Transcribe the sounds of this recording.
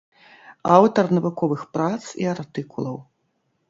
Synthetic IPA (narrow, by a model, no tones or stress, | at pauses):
awt̪ɐrnɐvukɔvɨxpɾat̪sḭart̪ɨkulˠɐw